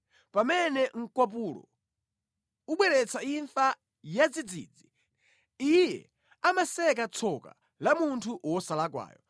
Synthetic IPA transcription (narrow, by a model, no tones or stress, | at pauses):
pamɛnɛŋ̩kwap̬ulɔ̰ | uɓwɛɾɛt͡sʰaiɱfa | jad͡zid͡zḭd͡zi | ijɛ̰ | amasɛk̬at͡sʰɔka̰ | lamuntʰuʔwɔsalak̬wa̰ːjɔ